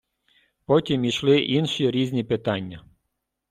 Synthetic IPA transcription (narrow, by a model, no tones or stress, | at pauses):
pɔtʲimiʃlˠɪʔinʃiɾʲizʲnʲipɪt̪ɑnʲːɐ